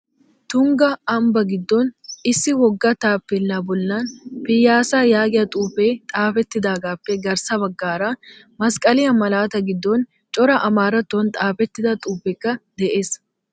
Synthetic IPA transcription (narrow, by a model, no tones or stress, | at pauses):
t̪ʊŋɡɐɐmbɐɡɪd̪ːoːnɪsːɪwɔɡːɐt̪aːpːɛlːaːbɔlːaːnpɪjːaːsaːjaːɡɪɐt̪ʼuːpeːt̪ʼaːfɛt̪ːɪd̪aːɡaːpːɛɡɐɾsɐbɐɡːaːɾaː | mɐskʼɐlɪjɐmɐlaːt̪ɐɡɪd̪ːoːn | t͡ʃʼɔɾɐʔɐmaːɾɐt̪ːont̪ʼaːfɛt̪ːɪd̪ɐt̪ʼuːpːɛkːɐd̪̥ɛʔe̞ːs